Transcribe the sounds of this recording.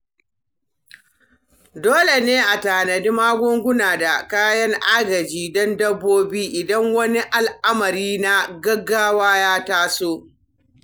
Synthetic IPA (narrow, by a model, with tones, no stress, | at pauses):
doː˦le˨neː˦ʔa˨taː˨nɐ˨di˦maː˦ɡʷʊ˦ŋɡʷʊ˦naː˨da˨kaː˦jɐ˦ŋʔaː˦ɡɐ˨d͡ʒiː˦dɔ˦ndɐ˦bːoː˦biː˦ʔɪ˨dɐ˦ŋwɐ˦ni˦ʔa˨lʔa˦mɐ˨ɾiː˦na˦ɡɐ˦ɡːaː˦waː˦jaː˦taː˦soː˦